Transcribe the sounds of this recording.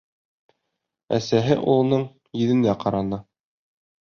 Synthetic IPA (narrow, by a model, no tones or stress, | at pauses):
æ̰sæɦɘʔulˠnɤɴ | jɘ̆ðɘ̆nd̪æqɑɾɑnɤ